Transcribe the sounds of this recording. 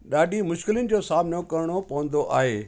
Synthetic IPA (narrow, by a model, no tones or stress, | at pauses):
ɗaːɗimʊʃkɪlənɪ̆d͡ʑoːsaːmɪnokɐɾɪɽ̃opɐʋə̃n̆d̪oʔa̰ːɦeː